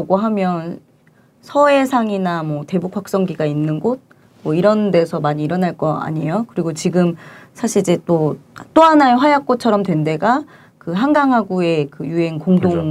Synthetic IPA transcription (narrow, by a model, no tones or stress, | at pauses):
ɡoɦamjʌn | sʰʌe̞sʰaŋinamwʌte̞bukʰwak̚s͈ʌŋɡiɡainːɯnɡot̚ | mwʌiɾʌnde̞sʰʌmaɲiːɾʌnaɭk͈ʌa̰ɲijokɯɾiɡot͡ɕiɡɯmsʰaɕʰiid͡ʑet͈ot͈oɦanaeɸwajak̚k͈ot̚t͡ɕʰʌɾʌmtwe̞nde̞ɡa | kɯɦaŋɡaŋɦaɡue̞kɯjuɦe̞nkoŋdoŋ